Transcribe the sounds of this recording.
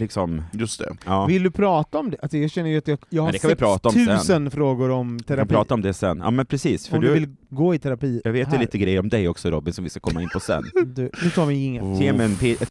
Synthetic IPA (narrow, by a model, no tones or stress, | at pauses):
lɪksɔmjɵst̪ʰɛ̰ɑːvɪld̪ɵpʰɾɑːt̪aɔmd̪ɛʔalsɔjɑːɡɕɛnːəjɵat̪jɑjɑːɡhad̪ɛkanvɪɪpʰɾɑːt̪aɔmʰʉ̟ɛənfɾoːɡʊɾɔmt̪ʰɛɾaɪpʰɾɑːt̪aɔmd̪ɛsɛ̰nːʔɑ̰ːmɛnpʰɾɛsiːsfɔœdɖ̪vɪlɡoːɪt̪ʰɛɾapiːjɑːɡveːt̪ɛliːt̪əɡɾɛjːəɾɔmd̪ɛjɔksɔɾɔbːɪnsɔmvɪskḁkʰɔmːaɪnpʰɔsɛ̰nːd̪ʉnʉ̟t̪ʰɑːvɪɪŋːəeːmɛnpʰe